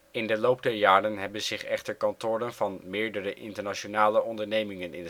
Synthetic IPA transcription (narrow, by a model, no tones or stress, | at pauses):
ɪndəlowp̚dɛɹjaːɾənɦɛbənzɪχɛχtəɹkɑntʊːɾənvɑnmɪːɹdəɾəʔɪntəɹnat͡ʃonaːləɔndəɹnejmɪŋənɪn